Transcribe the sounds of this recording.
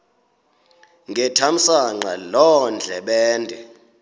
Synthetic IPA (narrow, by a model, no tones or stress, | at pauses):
ŋɡʱɛtʰam̩saŋ͡ǃalɔnd͡ɮʱɛɓɛːndʱɛ